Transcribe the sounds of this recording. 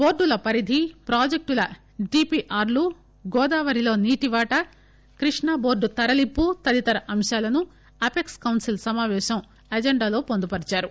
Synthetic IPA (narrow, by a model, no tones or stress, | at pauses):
bo̞ːɾɖulɐpɐɾid̪ʱipɾaːd͡ʒek̚ʈulɐ | ɖiːpiːʔaːɾlu | ɡɔːd̪aːʋɐɾilo̞ːniːʈiʋaːʈɐ | kɾiʂɳaːbo̞ːɾɖut̪ɐɾɐlipːut̪ɐd̪it̪ɐɾɐʔɐmʃaːlɐnu | ɐpekskɐwnsilsɐmaːʋɛːʃɐm | ɐd͡ʒeɳɖaːlo̞ːpond̪upɐɽit͡ʃaːɾu